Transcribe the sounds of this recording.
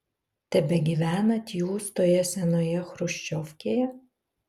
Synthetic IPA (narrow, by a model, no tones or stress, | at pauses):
t̪ʲɛbʲɛɡʲiʋʲæːnɐt̪ʲjuːst̪oːjɛsʲɛnoːjɛxɾʊʃʲt͡ʃʲɔfʲkʲejɛ